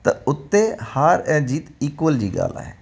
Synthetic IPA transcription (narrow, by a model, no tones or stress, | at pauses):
t̪ɐʊt̪ːehaːɾɛ̃ːd͡ʒiːt̪iːkwəld͡ʒiːɡa̰ːla̰ːɦe